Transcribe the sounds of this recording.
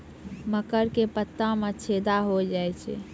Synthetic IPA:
məkəɾkepət̪ːãmẽt͡ʃʰed̪aɦod͡ʒajt͡ʃʰɛ̰

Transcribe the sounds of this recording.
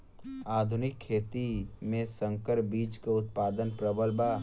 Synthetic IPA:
aːd̪ʱʊnɪkʰːeːt̪imẽsə̃ŋkəɾbiːt͡ʃkeʊt̪̚paːd̪ənpɾəbəlba

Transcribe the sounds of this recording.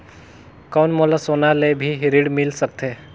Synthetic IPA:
kawnmoːlasoːnalebʱiɦɪɾiɽmɪlsək̚t̪e

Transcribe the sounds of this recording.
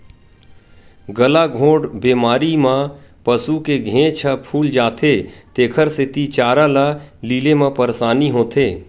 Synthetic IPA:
ɡəlaɡʱõːɖbeːmaːɾimãpəsukeɡʱẽːt͡ʃʰəpʰuːld͡ʒaːt̪ʰet̪eːkʰəɾsɪt̪it͡ʃaːɾalaliːlemãpəɾsaːniɦõːt̪ʰeː

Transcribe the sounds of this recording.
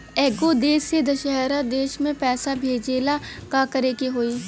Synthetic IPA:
ɛːɡod̪eːsed̪ɐʃəɦɾad̪eːʃmẽpɛːsabʱeːd͡ʒeːlakakəɾeːkeɦoːiː

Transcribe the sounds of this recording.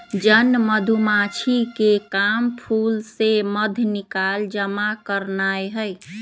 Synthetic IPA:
d͡ʒənːməd̪ʱumat͡ʃʰikekampʰulseməd̪ʱnikald͡ʒəmakəɾnajɦəj

